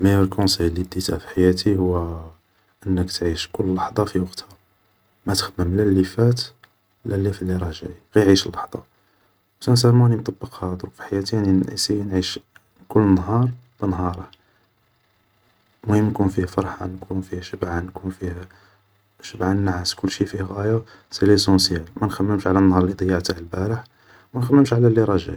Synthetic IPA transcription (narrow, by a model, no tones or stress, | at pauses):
mæjælkõsijlːid̪it̪æfi̥ħajæt̪ihʊwːæ | ʔənːəkt̪ʕiʃkʊlːlːɑħd̪ˤɑfiwɑqt̪hæ | mæt̪ə̥xməmlælːifæt̪ | lælːifælːiɾˤɑhʒæ̰jɣæjʕiʃəlːɑħd̪ˤɑ | sæns̬æmunimt̪ˤɑbːəqhæd̪ɾkfi̥ħajæt̪ianiḭsinʕiʃ | kʊlːənːɦɑɾˤ | b̥ənɦɑɾˤəh | mhəmnkunfihfɑɾˤħɑ̰nkʰunfihʃəbʕankunfihæ | ʃəbʕanːʕaskʊlːʃifihɣæja | selis̬ɑ̃sjælmænxæmːəmʃʕalænːhɑɾˤlid̪ˤɑjːɑʕt̪ahəlbæɾəħ | wmænxæmːəmʃʕlælːiɾˤɑʒæ̰j